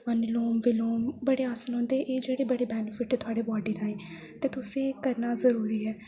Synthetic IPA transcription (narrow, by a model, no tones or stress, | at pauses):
ənloːmʋɪloːmbəɽeːaːslɦõːnd̪eːʔeːd͡ʒeːɽeːbəɽeːbɛːnɪfʰɪʈːt̪ʰʊaːɖeːbɔːɖiːt̪ãːẽː | t̪eːt̪ʊsẽːkəɾnaːzəɾuːɾiːɦɛː